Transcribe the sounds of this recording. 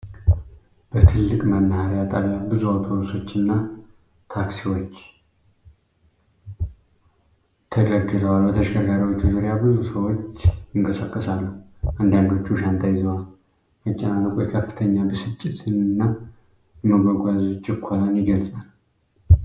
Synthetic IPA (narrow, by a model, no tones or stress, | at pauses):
b̥ət̪ʰɨlːɨkʼmənːahaɾjat̪ʼaβjabɨzuawt̪ʰoɾso̞t͡ʃːɨnːa | t̪ʰaksiwo̞t͡ʃː | t̪ʰəd̪əɾɡɨləwalbət̪ʰəʃɡəɾɡaɾiwo̞t͡ʃːuzuɾjabɨzusəwo̞t͡ʃːjɪŋkʼəsakʼːəsalːuh | ʔand̪and̪o̞t͡ʃːuʃant̪ʰajɪzəwal | mət͡ʃʼːɛnaləwkʰojkʰəfːɨ̥t̪ʰəɲːabəsɨt͡ʃʼːɪt̪ʰɨnnːa | jɛməɡoɡʷazt͡ʃʼɪkʷʰːolanjɪɡəlsʼal